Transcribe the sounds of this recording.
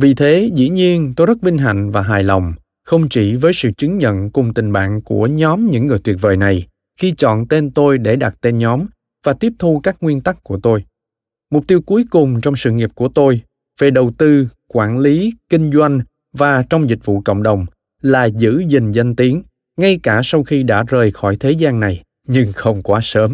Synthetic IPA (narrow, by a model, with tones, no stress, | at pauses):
vi˨˩t̪ʰe˨˦zḭ˧˥ɲi˧ənt̪o˧jzə˦˥t̚vï˧ŋ̟ɦa̰˧˨jŋ̟vaː˨˩ɦaː˨˩jlɔ˨˩wŋ͡m | xə˧wŋ͡mt͡ɕi˧˩vəː˨˦jsɨ̰˧˨t͡ɕɨ˨˦ŋɲə̰˧˨nkʊ˨˩ŋ͡mt̪ï˨˩ŋ̟ɓa̰ː˧˨ŋku˧˩əɲɔ˨˦mɲɨ̰˧˥ŋːɨ˨˩əjt̪ʰwi˨˩t̚vəː˨˩jna˨˩j | xi˧t͡ɕɔ̰˧˨nt̪e˧nt̪o˧jɗe˧˩ɗa˨˩t̚t̪e˧nɲɔ˨˦m | vaː˨˩t̪i˦˥əp̚t̪ʰu˧kaː˦˥k̚ŋwi˧ənt̪a˦˥kkːu˧˩ət̪o˧j | mʊ˨˩k͡p̚t̪i˧əwku˨˦əjkʊ˨˩ŋ͡mt͡ɕɔ˧wŋ͡msɨ̰˧˨ŋi˨˩p̚ku˧˩ət̪o˧j | ve˨˩ɗə˨˩wt̪ɨ˧kwaː˧˩nli˨˦kï˧ŋ̟zwa˧jŋ̟ | vaː˨˩t͡ɕɔ˧wŋ͡mzï˨˩k̟̚vṵ˧˨kə̰˧˨ŋ͡mɗə˨˩wŋ͡m | laː˨˩zɨ̰˧˥zï˨˩ŋ̟zə˧nt̪i˨˦əŋ | ŋa˧jkaː˧˩sa˧wxi˧ɗa̰ː˧˥zəː˨˩jxɔ˧˩jt̪ʰe˨˦zaː˧ŋna˨˩j | ɲɨ˧ŋxə˧wŋ͡mkwaː˨˦səː˨˦m